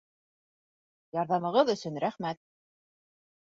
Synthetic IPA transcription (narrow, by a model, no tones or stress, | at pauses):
jɑɾðɑmɤ̆ʁɤðɵ̆sɵnɾæχmæt̪̚